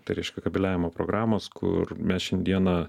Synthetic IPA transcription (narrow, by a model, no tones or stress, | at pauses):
t̪ɐɪɾʲɛɪʃkʲɛkɐbʲɪlʲæːʋʲɪmoːpɾo̰ːɡɾɑːmoːskʰʊ̰ɾmʲɛsʃʲɛnʲd̪ʲiɛnɐ